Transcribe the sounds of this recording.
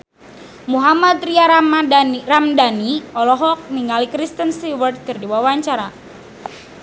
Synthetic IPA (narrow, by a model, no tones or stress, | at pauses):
muɦamat̪ɾia | ramdaniɔlɔɦɔk̚niŋalikɾist̪ənst̪iwərt̪̚kɨrdiwawaɲt͡ʃaɾa